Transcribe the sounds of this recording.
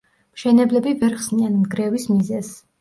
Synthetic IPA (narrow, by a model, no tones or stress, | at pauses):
mʃɛnɛblɛbivɛɾχsnianmɡɾɛvismizɛz